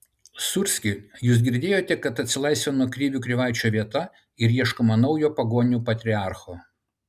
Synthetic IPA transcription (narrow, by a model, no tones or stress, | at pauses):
sʊɾʲsʲkʲɪjuːsɡʲɪɾʲd̪ʲeːjoːt̪ʲɛkɐt̪ɐt̪ʲsʲɪlˠɐɪsʋʲɛnuɔkɾʲiːʋʲuːkɾʲɪʋɑˑɪt͡ʃʲoːʋʲiɛt̪ɐ | ɪɾiɛʃkomɐnɐʊjoːpɐɡoːnʲuːpɐt̪ʲɾʲɪɑˑɾxoː